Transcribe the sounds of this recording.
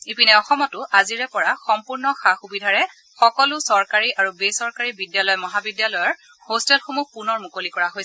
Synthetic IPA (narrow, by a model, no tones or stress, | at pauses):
ipinɛɔxɔmɔtʊʔaziɹɛpɔɹaxɔmpuɹnɔxaxubidʱaɹɛ | xɔkɔlʊsɔɹkaɹiʔaɹubesɔɹkaɹibidjalɔjɔmɔɦabidjalɔjɔɹ | hostɛlxomuxpunɔɹmukolikɔɹaɦojsɛ